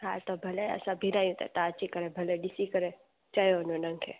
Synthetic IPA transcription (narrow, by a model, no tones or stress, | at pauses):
ɦat̪obʱɐlḛsabʱiɾajũt̪a̰t̪aːt͡ʃikɐɾebʱɐleɖisikəɾe | t͡ʃajononɐŋkʰḛ